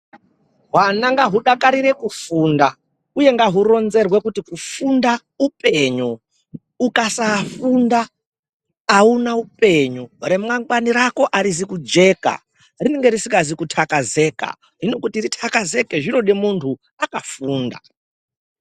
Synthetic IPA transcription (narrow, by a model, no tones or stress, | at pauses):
ɦwanaŋɡaɦuɗakaɾiɾe̞kufuːnda | uje̞ŋɡaɦuro̞nze̞rwe̞kutikufunda | upe̞ɲu | ukasafundaː | unaupe̞ɲure̞mwaŋɡwaniɾako̞ʔaɾizikud͡ʒe̞ːka̰ | rineŋɡe̞ɾisiŋɡazikutʰakaze̞ːka̰ | ɦino̞kutiritʰakaze̞keʐino̞ɗemuntʰu | akafuːnda̰